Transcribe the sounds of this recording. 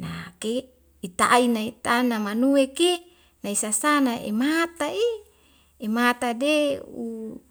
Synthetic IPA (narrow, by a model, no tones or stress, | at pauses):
nake | it̪a̰ʔinait̪anamanueke | naisasanaʔḛmat̪ai | emat̪adeu